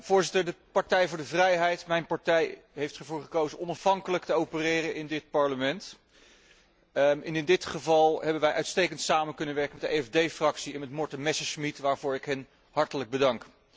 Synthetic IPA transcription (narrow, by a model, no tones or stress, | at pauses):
v̥ʊːɹzɪtəɹdəpɑɹtɛjvʊːɹdəvrɛjɦɛjtmɛjnpɑɹtɛjɦejftχəɹvʊːɹχəkowzənʔɔnɑfɦɑŋkələk̚təowpərɪːrənɪndɪt̚pɑɹləmɛnt | ɪnɪndɪtχəvɑlˠɦɛbənʋɛjʔœɥtstejkəntsaːmənkɵnənʋɛɹkəmɛtdəʔeɛvdejfrɑksiɛnmɛtmɔɹtənmɛsəsmitʋaːɹvʊːɹɪkɦɛn | hɑɹtələɡ̚bədɑŋk